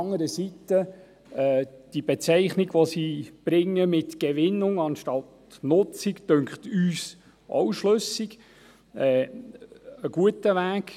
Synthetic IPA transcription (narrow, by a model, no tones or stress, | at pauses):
ŋːəɾəsitə | ɛd̥ib̥ɛt͡sɛɪχnɪɡʋosib̥ɾɪŋːəmɪtɡ̥ɛʋɪnːʊŋɑnʃtɑt | nʊt͡sikd̥øŋkχtyːs | ʔɔ̰wʃlɵsɪɡ | ɛː | əɡ̥uətəʋæːɡ